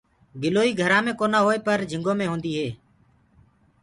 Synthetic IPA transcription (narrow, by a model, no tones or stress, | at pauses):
ɡɪloːiːɡʱəɾãːmẽːkoːnaːɦoːeːpəɾd͡ʒʱɪ̃ŋɡoːmẽːɦõːnd̪iːɦeː